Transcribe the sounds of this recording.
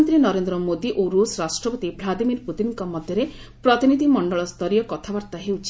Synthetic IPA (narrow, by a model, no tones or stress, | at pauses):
nt̪ɾinɔɾend̪ɾɔmod̪iʔoɾusɾasʈɾɔpɔt̪ibʱlad̪imiɾput̪inŋkɔmɔd̪ʱjɔɾepɾɔt̪inid̪ʱimɔɳɖɔɭɔst̪ʰɔɾijɔkɔt̪ʰabaɾt̪aɦeut͡ʃʰi